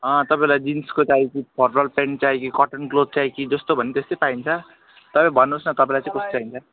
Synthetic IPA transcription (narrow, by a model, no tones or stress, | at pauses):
ʌ̃t̪ʌpaĩlajd͡zinskot͡saikipʰʌrbʌlpeɳt͡saikikʌʈʌnklod̚t͡saikid͡zʌst̪obʱʌnit̪est̪ʌpaint͡sʰʌ | t̪ʌpãĩbʱʌnːusnʌt̪ʌpãĩlajt͡sãĩkʌst̪t͡saint͡sʰʌ